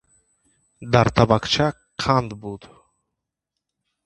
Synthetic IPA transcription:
d̪aɾt̪ʰabaqt͡ʃʰa | qʰand̪bud̪

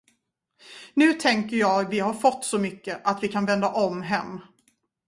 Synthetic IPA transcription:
nʉ̟ːt̪ʰɛŋkəɾjɑːɡvɪɦaɾfɔt̪ːsɔmʏkːəʔat̪vɪkʰanvɛnd̪aʔɔmɦɛmː

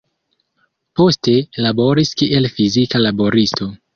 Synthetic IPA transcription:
po̞ste̞labo̞ɾiskiʔelfizikalabo̞ɾisto̞

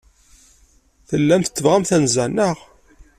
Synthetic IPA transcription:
θəlːæmθə̥t͡sːəvʁamθænzænəʁ

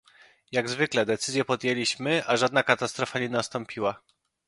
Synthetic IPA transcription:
jaɡzvɘklɛd̪ɛt̪sɘzʲjɛpɔd̪jelʲiɕmɘʔaʐad̪nakat̪ast̪ɾɔfaɲɛnast̪ɔ̃mpʲiwa

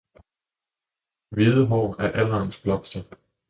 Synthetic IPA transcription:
ʋiðˠəɦɒ̰ːæɐʔælɐːnsb̥lɒ̽m̥sd̥ə

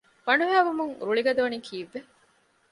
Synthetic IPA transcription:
ʋɐɳuɦæːʋumuŋɾuɭiɡɐd̪uʋɐnikʰiːʋːe

